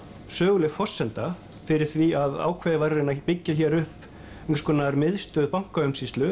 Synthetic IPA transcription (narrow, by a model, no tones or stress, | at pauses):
sœːɣʏlɪfɔr̥sːɛnt̪a | fɪɾɪɾ̥θviaða̰ːwkʰvɛðɪvaɾːɪnapɪcːaçɛɾʏhp | ɛŋskɔnaɾmɪðst̪œːðpaŋ̥kaʏmsiːst̪lʏ